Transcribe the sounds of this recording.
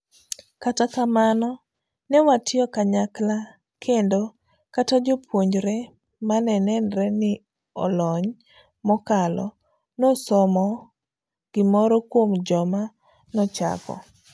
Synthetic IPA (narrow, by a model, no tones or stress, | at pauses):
katakamanɔ | nɛwatɪɔkaɲakla | kʰendo | katad͡ʒopʰwoɲd͡ʒɾɛ | manɛnɛnɾɛnɪ | ɔ̰lɔɲ | mɔkalɔ | nɔsɔmɔ | ɡ̥ɪmɔɾɔkwomd͡ʒɔma | nɔt͡ʃa̰kɔ̰